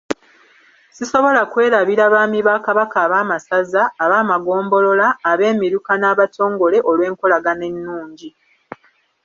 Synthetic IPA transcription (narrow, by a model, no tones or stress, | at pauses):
siso̞βo̞lakwe̞ːɾaβiɾaβaːmiβakaβakaːβaːmasazaːβaːmaɡo̞ːmbo̞lo̞laːβe̞ːmiɾukanaːβatʰo̞ːŋɡo̞le̞ʔo̞lwe̞ːŋko̞laɡane̞nːuːɲɟi